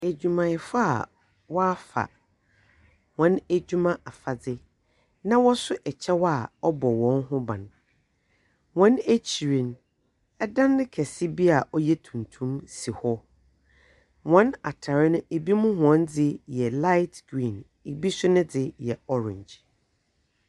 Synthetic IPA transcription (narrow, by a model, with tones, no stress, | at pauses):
æ˨d͡ʑᶣu˨mã˨ɪ˨fa˦a̰˨ | wɔ˦a˦fa̰˨ | wɔ̃˨˦næ˦d͡ʑu˦mã˦ʔa˨fa˨d͡zɪ˦ | nã˦wɔ˦sʊ˦ʔɛ˨t͡ɕʰɛ˦wɔ˦a˨ɔ˦bɔ˨wɔ̃˨˦nɦʊ̃˦bã̰˨n | wɔ̃˨˦næ˦t͡ɕʰi˨ɾĩ˨n | ɛ˦dã˦n˦dɪ˦kʰɛ˨sɪ˦bi˦a˨ʔɔ˦jɛ˦tʰũ˨n̩˨tʰũ˦msi˨hɔ˦ | wɔ̃˨˦na˨tʰa˨ɾɪ˦nʊ̃˦e˨bi˦mʊ̃˦ɦʊ̃˨ɔ̃˦nd͡zɪ˦jɛ˨la˦ɪ˦tʰɡ̥ɾĩː˨n | e˨bi˦sʊ˦nʊ̃˦d͡zɪ˨jɛ˨ɔ˦ɾɪ̰̃˨ɲd͡ʑ